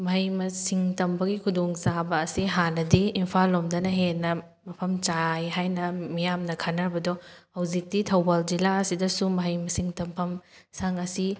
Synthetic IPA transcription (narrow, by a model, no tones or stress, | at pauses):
mɐɦɐjmɐsiŋtɐmbɐɡikʰudoŋsabɐːsiɦanɐdiːmpʰalːomdɐnɐɦenːɐ | mɐpʰɐmt͡ʃajɦajnɐmijamnɐkʰanɐɾbɐdɔhɐwzik̚titʰɐwbald͡ʒilaɐsidɐsumɐɦɐjmɐsiŋtɐmpʰɐmsaŋɐsi